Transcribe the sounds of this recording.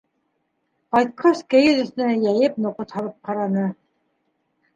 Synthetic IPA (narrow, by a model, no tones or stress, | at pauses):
qɑjt̪̚qʰɑʃkɘjɘ̆zɵ̆θɘ̆næjæjɘp̚nŏqot̪hɑlˠɤp̚qɑɾɑnɤ